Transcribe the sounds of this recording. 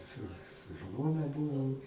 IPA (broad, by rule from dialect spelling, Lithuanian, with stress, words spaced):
sʊ sʊ ˈʒmoːnɐ ˈbuːʋoːm